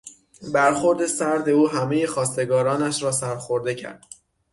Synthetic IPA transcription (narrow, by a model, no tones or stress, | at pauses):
bæɾxo̞ɾd̪e̞sæɾd̪e̞uːɦæme̞jexɒːst̪e̞ɡɒːɾɒːnæʃɾɒːsæɾxoɾd̪e̞cʰæ̰ɾd̪̥